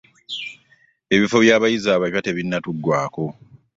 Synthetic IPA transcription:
e̞βifo̞βjaːβajizaːβajwate̞βinːatuɡːwaːko̞

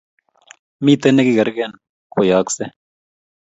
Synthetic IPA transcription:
mit̪enekiɡɐɾɡeːn | kojaːkse

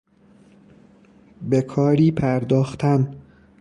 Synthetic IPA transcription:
bekʰɒːɾiːpʰæɾd̪ɒːxt̪ʰæn

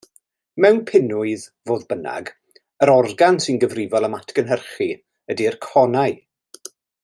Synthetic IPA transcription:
mɛwnpʰɪnʊɨðvoːðbəna̰ɡ | əɾɔrɡansɪnɡəvrɪvɔlˠəmatʰɡ̥ənɦərχi | ədirkʰɔnaɨ

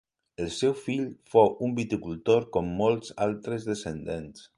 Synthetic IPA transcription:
əlˠsɛwfiʎfowʔumbit̪ikulˠt̪oɾkomːolˠza̰lˠt̪ɾəzðəsənd̪ens

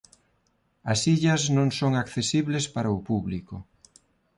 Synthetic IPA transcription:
ɐsiʎɐznõŋsoŋakθesiβlespaɾɐʊpuβlikʊ

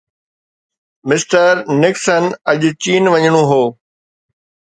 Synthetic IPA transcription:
mɪsʈəɾnɪksənɐʄt͡ɕiːnʋɐɲɽ̃oɦoː

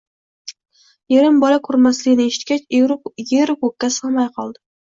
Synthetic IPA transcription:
jeɾɪmbɒlakʰʊɾmaslɪɡʲɪnɪeʃɪ̥t̪kʲat͡ʃjeɾkokʲːasɑmajqʰɒlˠd̪ɪ

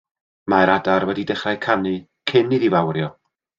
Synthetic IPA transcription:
maɾadarwɛdidɛχrajkʰanɨ | kʰɪnɨðivawrjɔ

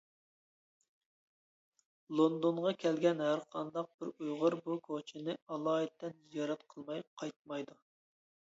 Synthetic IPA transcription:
lˠond̪onʁɑkʲʰɛlɡʲɛnhæɾqʰɑnd̪ɑq̚bɪɾujʁəɾbukʰot͡ʃʰinɪɑlˠɑːɛt̪ːɛnjɑɾɑt̪qʰəlˠmɑjp̚qʰɑjt̪̚mɑjd̪u

